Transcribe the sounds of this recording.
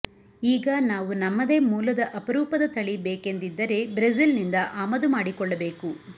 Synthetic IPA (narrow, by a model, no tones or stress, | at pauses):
iːɡɐnaːʋunɐmːɐd̪e̞ːmuːlɐd̪ɐʔɐpɐɾuːpɐd̪ɐt̪ɐɭibeːke̞nd̪id̪ːɐɾe̞bɾɐzilnind̪ɐʔaːmɐd̪umaːɽikɔɭːɐbe̞ːku